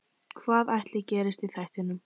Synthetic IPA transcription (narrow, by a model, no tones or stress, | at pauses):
kʰvaːðajht̪lɪcɛːɾɪst̪iθajht̪ɪnːʏm